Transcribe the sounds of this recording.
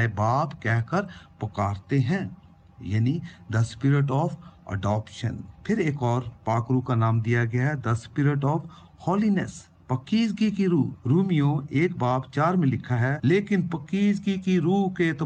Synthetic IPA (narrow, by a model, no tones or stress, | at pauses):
baːpkɛɦkəɾpɐkaːɾt̪eɦɛ̃ː | jaːnid̪ɐspɪɾɪʈɔːfɐ̰ɖɔːpʃə̰npʰɪɾeːkɔːɾpaːkɾukanaːmd̪ijaɡɐjaɦɛd̪ɐspɪɾɪʈɔːf | hɔːlinəs | pɐkiːd͡ʒɡikiɾuːɾuːmijõeːk̚baːpt͡ʃaːɾmẽlɪkʰaɦɛleːkɪnpɐkiːd͡ʒɡikiɾuːɦket̪